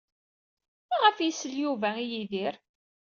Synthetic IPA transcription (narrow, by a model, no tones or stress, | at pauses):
mæʁəfjisəljuvæijiðiɾ